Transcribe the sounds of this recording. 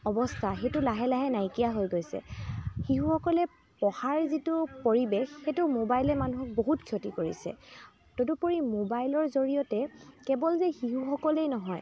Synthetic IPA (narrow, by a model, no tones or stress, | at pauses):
ɔbɔstʰaxetʊlaɦɛlaɦɛnajkijaɦojɡojsɛ̰xiɦũxɔkɔlɛ | pɔhaɹzitupoɹibexxetumobajlɛmanuɦɔk̚boɦutkʰjotikoɹḭsɛ̰ | todupoɹimobajlɔɹzoɹijɔtɛkɛbɔlzɛxiɦuxɔkɔlejnɔɦɔj